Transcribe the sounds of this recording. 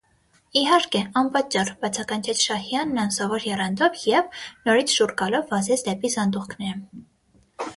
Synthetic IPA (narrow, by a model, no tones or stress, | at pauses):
iɦɑɾkɛɑnpɑt͡ʃɑrbɑt͡sʰɑkɑnt͡ʃʰɛt͡sʰʃɑhjɑnːɑnsɑvɔɾjɛrɑnd̪ɔvjɛvnɔɾit͡sʰʃurɡɑlɔvːɑzɛt͡sʰd̪ɛpizɑnd̪uχkʰnɛɾə